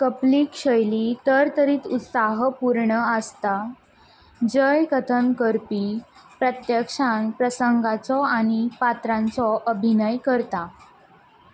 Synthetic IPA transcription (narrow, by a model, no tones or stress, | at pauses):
kəpliːkɕəjliːt̪əɾt̪əɾiːt̪ut̪saɦpuɾɳəəst̪a | d͡ʑəjkət̪ʰənkəɾpipɾət̪jəkʂanpɾəsəŋɡat͡sɔaɽ̃ipat̪ɾãnt͡sɔʔəbʱinəjkəɾt̪a